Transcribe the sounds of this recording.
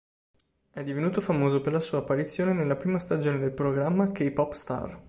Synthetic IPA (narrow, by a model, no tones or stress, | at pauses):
ɛd̪ːivenuːt̪ofamoːzoperlasuːaːpːaɾit̪sːjoːnenelːapɾiːmast̪ad͡ʒoːned̪elpɾoɡɾamːakejpɔpːst̪a̰r